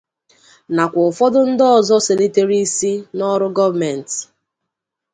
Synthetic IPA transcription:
na˨kʷɔ˨ʊ˨fɔ˦dʊ˦n̩˦dɔ˦˨zɔ˦se˨ni˦te˦ɾi˦si˦nɔ˦ɾʊ˦ɡɔ˦va˨me˨n˨t

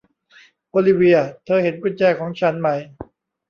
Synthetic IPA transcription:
ʔoː˧li˦˧wi˧ɐt̪ʰɤː˧he˨˦nkʰu˧˥˧nt͡ɕɛː˧˩kʰɔː˩˦ŋt͡ɕʰa˦˥nma˧˩j

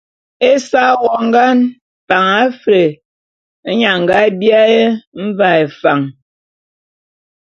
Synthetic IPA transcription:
e˦sa˦wɔ˨ŋ̩˦ɡa˦n | pa˨ŋa˨˦fɾe˨˦ | ɲa˨ŋ̩˨ɡa˦bi˦a˦je˦m̩˦va˨e˨fa˨ŋ

